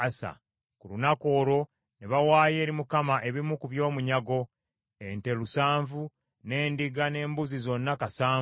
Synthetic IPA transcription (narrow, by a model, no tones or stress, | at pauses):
asa̰ | kulunako̞ːɾo̞ | neβawaːje̞ːɾimukamaʔe̞βimukuβjo̞ːmuɲaɡo̞ | ente̞lusaːɱvu | ne̞ːndiɡane̞ːmbuzizo̞nːakasaː